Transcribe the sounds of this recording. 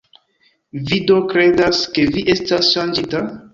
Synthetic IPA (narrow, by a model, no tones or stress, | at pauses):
vido̞kɾe̞daske̞viʔe̞stasʃand͡ʒita